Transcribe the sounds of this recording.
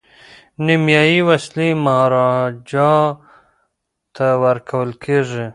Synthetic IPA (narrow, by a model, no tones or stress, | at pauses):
nimjɑjiwaslimaɾɑd͡ʒɑ | t̪ʰawəɾkʰawəlkʰeʐi